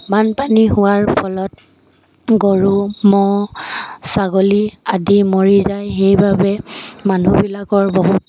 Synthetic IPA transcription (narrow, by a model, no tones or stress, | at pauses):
banpaniɦʊaɹpʰɔlɔt | ɡoɹumɔ | saɡoliadimoɹizajxejbabɛmanubilakɔɹboɦut